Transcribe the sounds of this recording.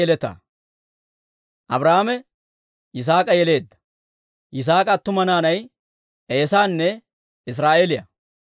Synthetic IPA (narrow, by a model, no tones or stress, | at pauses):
ɛlɛt̪ɐ̰ | ʔɐbɾaːamɛ | ʔɪs̬aːkʼɐjɛle̞ːd̪ːɐ̥ | ʔɪs̬aːkʼɐt̪ːʊmɐnaːnɐj | ʔeːsaːnːɛ | ɪs̬ɾaːʔeːlɪjɐ̰